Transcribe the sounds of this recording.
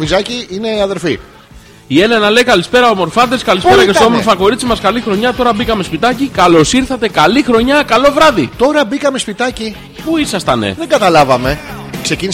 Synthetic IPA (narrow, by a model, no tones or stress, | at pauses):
vizɐciine̞iɐðe̞ɾfi | ie̞le̞nɐle̞jkɐlispe̞ɾɐomo̞ɾfɐd̪eskɐlispe̞ɾɐcest̪oomoɾfɐko̞ɾit͡simɐskɐlixɾo̞ɲɐt̪o̞ɾɐbikɐme̞spit̪ɐcikɐlo̞siɾθɐt̪e̞kɐlixɾo̞ɲɐkɐlo̞vɾɐðit̪o̞ɾɐbikɐme̞spit̪ɐci | puisɐst̪ɐnḛðeŋɡɐt̪ɐlɐvɐme̞kse̞cini